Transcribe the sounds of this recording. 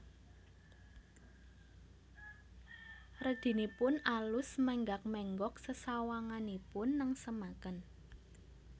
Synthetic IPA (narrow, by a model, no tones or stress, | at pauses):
rəd̪̥i̤nipʊnʔalʊsmɛŋɡak̚mɛŋɡɔk̚səsawaŋanipʊnːəŋsəmakən